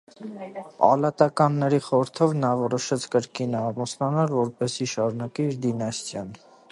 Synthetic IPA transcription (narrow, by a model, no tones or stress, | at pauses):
pɑ̰lɑt̪ɑkɑnːɛɾiχɔɾəɾt̪ʰɔvnɑvɔɾɔʃɛt͡sʰkəɾkinɑmɔsnɑnɑɾvɔɾpɛsiʃɑɾunɑkiːɾd̪inɑst̪ʰjɑn